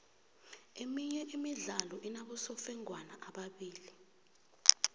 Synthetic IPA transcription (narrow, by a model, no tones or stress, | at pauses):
emiɲɛʔimiɮalɔʔinaɓɔsɔfɛŋwanaʔaɓaɓiːli